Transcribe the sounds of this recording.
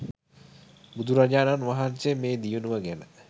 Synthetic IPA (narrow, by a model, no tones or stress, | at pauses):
bud̪ʱuɾad͡ʒaːnanʋaɦansemeːd̪ijunuʋəɡænə